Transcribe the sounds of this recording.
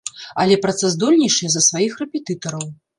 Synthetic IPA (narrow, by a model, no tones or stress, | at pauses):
ɐlʲɛpɾat̪sɛzd̪ɔlʲnʲiʂɨjɛzɐsvajixrɛpʲɛt̪ɨt̪ɐɾɐw